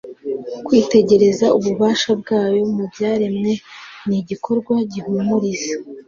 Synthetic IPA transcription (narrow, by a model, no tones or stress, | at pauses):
kwiːte̞ɟe̞ɾe̞zauβuβaːʃab̚ɡaːjo̞mubɟaːɾimŋe̞niɟikʰo̞ɾɡwaɟihumuɾiza